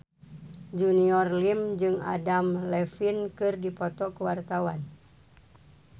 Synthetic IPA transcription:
d͡ʒuniɔrlimd͡ʒɨŋa̰damlɛfinkɨrdipɔt̪ɔkəwart̪awan

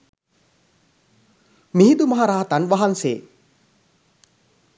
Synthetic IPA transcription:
miɦid̪umaɦaɾaːt̪anʋaɦanseː

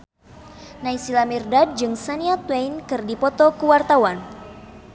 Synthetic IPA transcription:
naisilamirdad̚d͡ʒɨŋsaniat̪wejnkɨrdipɔt̪ɔkuwart̪awan

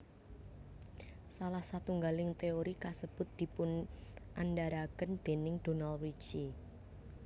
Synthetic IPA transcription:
salahsat̪uŋɡalɪŋt̪eoɾikasəb̥ʊ̤t̪̚d̪̥i̤pʊnʔandaɾakənd̪̥e̤nɪŋd̪̥o̤nalwit͡ʃi

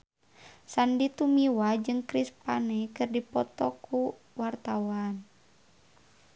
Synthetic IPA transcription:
sandit̪umiwad͡ʒɨŋkɾispanɛkɨrdipɔt̪ɔkʰu | wart̪awan

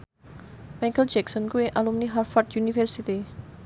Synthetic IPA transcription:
majkəld͡ʒɛksɔnkueʔalumniɦarfɔrt̪junifɛrsit̪i

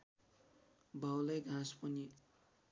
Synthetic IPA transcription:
bawlajɡʱãspʌni

